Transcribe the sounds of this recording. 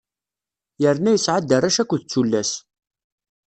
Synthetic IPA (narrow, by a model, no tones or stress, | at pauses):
jəɾnæjəsʕad̪ːəɾˤæʃækʷːəθət͡sːulːæs